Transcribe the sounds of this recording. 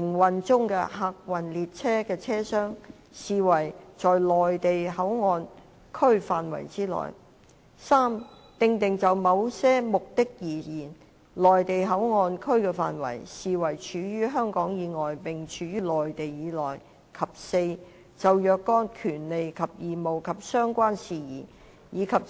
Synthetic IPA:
ɪ˨˩ŋwɐ˨nt͡sʊ˥ŋkɛ̰ː˧haː˧k̚wɐ˨˩nliː˨t̚t͡sʰɛː˥kɛː˧t͡sʰɛː˥sœː˥ŋ | siː˨wɐ˨˩jt͡sɔː˨jlɔː˨jt̪e˨jɦɐ˨˥wŋɔː˧n | kʰɵ˥ɥfaː˨nwɐ̰˨˩jt͡siː˥lɔ̰ː˨˩j | saː˥m | t̪ɪ˧ŋt̪ɪ˨ŋt͡sɐ˨wmɐ˨˧wsɛː˥mʊ˨k̚t̪ɪ˥k̚jiː˨˩jiː˨˩n | lɔː˨jt̪e˨jɦɐ˨˥wŋɔː˨˧nkʰɵ˥ɥkɛː˧fa̰ː˨nwɐ̰˨˩jsiː˨wɐ˨˩jt͡ʃʰyː˨˥jyː˥ɦœː˥ŋkɔː˨˥ŋjiː˨˧ŋɔː˨jpɪ˨ŋt͡ʃʰyː˨˧jyː˥lɔː˨˩jt̪e˨jjiː˨˧lɔ̰ː˨˩j | kʰɐ˨˩p̚se˧j | t͡sɐ˨wjœː˨˧kːɔː˥nkʰyː˨˩nle˨jkʰɐ˨p̚jiː˨mo˨wkʰɐ˨p̚sœː˥ŋkʷaː˥nsiː˨˩jiː˨˩ | jiː˨˧kʰɐ˨p̚

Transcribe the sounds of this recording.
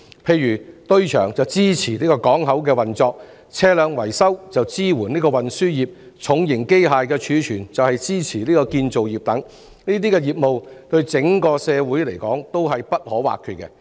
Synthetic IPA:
pʰe˧jyː˨˩t̪ɵ˥ɥt͡ʃʰœ̰ː˨˩ŋt͡sɐ˨wt͡siː˥t͡sʰiː˨˩niː˥kɔː˧kɔː˨˥ŋɦɐ˨˥wkɛː˧wɐ˨nt͡sɔː˧k̚ | t͡sʰɛː˥lœː˨˧ŋwɐ˨˩jsɐ˥wt͡sɐ˨wt͡siː˥wuː˨˩nliː˥kɔː˧wɐ˨nsyː˥jiː˨p̚ | t͡sʰʊ˨˥ŋjɪ˨˩ŋke˥jɦaː˨jkɛː˧t͡ʃʰyː˨˧t͡ʃʰyː˨˩nt͡sɐ˨whɐ˨jt͡siː˥t͡sʰiː˨˩liː˥kɔː˧kiː˧nt͡so˨wjiː˨˩p̚t̪ɐ˨˥ŋ | niː˥t̪iː˥kɛː˧jiː˨p̚mo˨wt̪ɵ˧ɥt͡sɪ˨˥ŋkɔː˧sɛː˨˧wuː˨˥jle˨˩jkɔː˨˥ŋt̪o˥wɦɐ˨jpɐ˥t̚hɔː˨˥wa̰ː˨kʰːyː˨˧t̚kɛ˧

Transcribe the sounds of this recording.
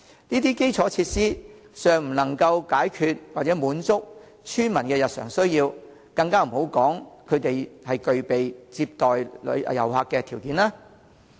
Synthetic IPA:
niː˥t̪̬iː˥ke˥jt͡sʰɔː˨˥t͡sʰiː˧t̚siː˥ | sœː˨ŋm̩˨˩nɐ˨˩ŋkɐ˧wkaː˨˥jkʰyː˧t̚wa˨t̚t͡sɛː˨˥muː˨˥nt͡sʊ˥k̚ | t͡ʃʰyː˥nmɐ˨˩nkɛː˧jɐ˨t̚sœː˨˩ŋsɵ˥ɥjiː˧w | kɐ˧ŋkaː˥m̩˨˩ho˨˥wkɔː˨˥ŋkʰɵ˨˧ɥt̪e˨jhɐ˨jkɵ˨ɥpe˨jt͡siː˧p̚t̪ɔː˨jlɵ̰˨˧˥jɐ̰˨˩whaː˧kːɛː˧t̪ʰiː˨˩wkiː˨˥nlaː˥

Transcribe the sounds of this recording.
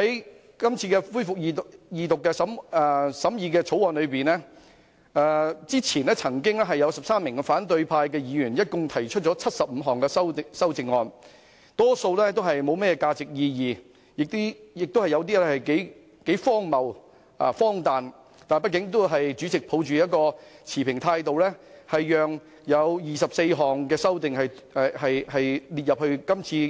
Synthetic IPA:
hɐ˨˥j | kɐ˥mt͡sʰiː˧kɛː˧fuː˥jfʊ˨k̚jiː˨˧˨jiː˨t̪ʊ˨kːɛː˧sɐ˨˥mː˧sɐ˨˥mjiː˨˧kɛː˧t͡sʰo˨˥wɔː˨˧nlɵ˨˧ɥpiː˨˩nɛː˥ | ɛː˧t͡siː˥t͡sʰiː˨˩nɛː˥t͡sʰɐ˨˩ŋkɪ˥ŋlɛ˥ɦɐ˨jɐ˨˧wsɐ˨psaː˥mːɪ˨˩ŋkɛ˧faː˨˥nt̪̬ɵ˧ɥpʰaː˧jkɛː˧jiː˨˧jyː˨˩njɐ˥t̚kʊ˧ŋt̪ʰɐ˨˩jt͡ʃʰɵ˥t̚t͡ʃɔː˨˥t͡sʰɐ˥t̚sɐ˨p̚m̩˨˧ɦɔː˨˩ŋkɛː˧sɐ˥wsɐ˥wt͡sɪ˨˧ŋːɔː˧n | t̪ɔː˥so˧wlɛː˥t̪o˥wɦɐ˨jmo˨˧wmɛː˥jɛː˧kaː˧t͡sɪ˨k̚jiː˧jiː˨˩ | jɪ˨k̚t̪iː˥jɪ˨k̚t̪o˥hɐ˨jɐ˨˧wt̪̬iː˥lɛ˥hɐ˨˩jke˨˥j | ke˨˥jfɔː˥ŋmɐ˨w | ɐ̰˨˩fɔː˥ŋt̪aː˨n | t̪aː˨˩npɐ˥t̚k̬ɪ˨˥ŋt̪̬o˥wɦɐ˨jt͡ʃyː˨˥t͡sɪ˨k̚pʰo˨˧wt͡ʃyː˨jɐ˥t̚kɔː˧t͡sʰiː˨˩pʰɪ˨˩ŋt̪ʰaː˧jt̪o˨wlɛː˥hɐ˨jːœː˨˩ŋ | jɐ˨˧wjiː˨sɐ˨p̚se˧jɦɔː˨˩ŋkɛː˧sɐ˥wt̪ɪ˨ŋhɐ˨jhɐ˨jhɐ˨jliː˨t̚jɐ˨p̚hɵ˧kɐ˥mt͡sʰiː˧

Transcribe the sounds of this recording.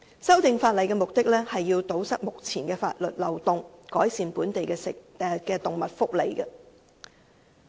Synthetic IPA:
sɐ˥wt̪ɪ˨ŋfaː˧t̚lɐ˨jkɛː˧mʊ˨k̚t̪ɪ˥k̚lɛː˥hɐ˨jːiː˧wt̪o˨˥wsɐ˥k̚mʊ˨k̚t͡sʰiː˨˩nkɛː˧fa̰ː˧t̚lɵ˨t̚lɐ˨wt̪ʊ˨ŋkɔː˨˥jsiː˨npuː˨˥nt̪e˨jkɛː˧sɪ˨˧ | kɛː˧t̪ʊ˨ŋmɐ˨t̚fʊ˥k̚le˨˩jɡɐ˧

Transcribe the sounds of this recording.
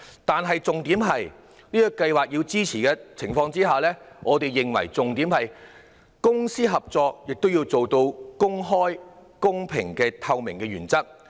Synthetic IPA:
t̪aː˨nɦɐ˨jt͡sʊ˨ŋt̪iː˨˥mɦɐ˨j | niː˥jkɐ˧jwaː˨˩k̚jiː˧wt͡siː˥t͡sʰiː˨˩kɛː˧t͡sʰɪ˨˩ŋfɔː˧ŋt͡siː˥ɦaː˨lɛː˥ŋʔɔː˨˧t̪e˨jːɪ˨˩ŋwɐ̰˨˩jt͡sʊ˨ŋt̪iː˨˥mhɐ˨j | kʊ˥ŋsiː˥ɦɐ˨p̚t͡sɔː˨˧k̚jɪ˨k̚t̪o˥wjiː˧wt͡so˨wt̪o˧wkʊ˥ŋɦɔː˥jkʊ˥ŋpʰɪ˨˩ŋkɛː˧t̪ʰɐ˧wmɪ˨˩ŋkɛː˧ɥyː˨˩nt͡sɐ˥k̚

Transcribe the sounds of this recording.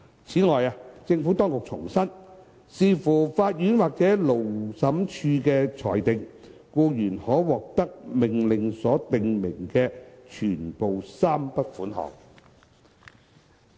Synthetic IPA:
t͡sʰiː˨˥ŋɔː˨jaː˧t͡sɪ˧ŋfuː˨˥t̪ɔː˥ŋkʊ˨k̚t͡sʰʊ˨˩ŋsɐ˥n | siː˧fuː˨˩faː˧t̚jyː˨˥nwaː˨k̚t͡sɛː˨˥lo˨˩wsɐ˨˥mt͡ʃʰyː˧kɛː˧t͡sʰɔ̰ː˨˩jt̪ɪ˨ŋ | kuː˧jyː˨˩nhɔː˨˥wɔː˨k̚t̪ɐ˥k̚mɪ˨˩ŋlɪ˨ŋsɔː˨˥t̪ɪ˨ŋmɪ˨˩ŋkɛː˧t͡ʃʰyː˨˩npo˨wsaː˥mpɐ˥t̚fuː˨˥nɦɔ̰ː˨˩ŋ̚

